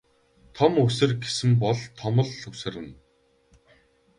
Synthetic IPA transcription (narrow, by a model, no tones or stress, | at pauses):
t̪ʰɔmɵsɘ̆rɡesɘ̆mpɔɮt̪ʰɔmɞ̆ɮɵsɘ̆rɘ̆n